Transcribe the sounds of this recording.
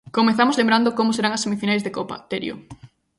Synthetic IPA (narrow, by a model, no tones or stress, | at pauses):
komeθamoʊzlẽmbɾand̪ʊkomʊseɾaŋɐsemifinajzðekopɐ̰t̪eɾj̰o̰